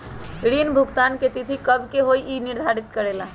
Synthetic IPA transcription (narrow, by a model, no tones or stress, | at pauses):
ɽinbʱuɡt̪anket̪it̪ʰikəbʱkeɦoiʔiniɾd̪ʱaɾit̪kəɽela